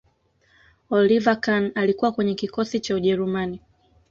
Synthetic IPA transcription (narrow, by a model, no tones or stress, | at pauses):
ɔlivakanalikuwakwɛɲɛkikɔsit͡ʃauʄɛɾumani